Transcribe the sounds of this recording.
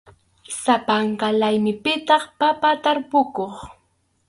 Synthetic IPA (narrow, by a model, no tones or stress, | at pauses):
sapaŋkalajmɪpɪt̪ɑχpapat̪aɾpʊkoχ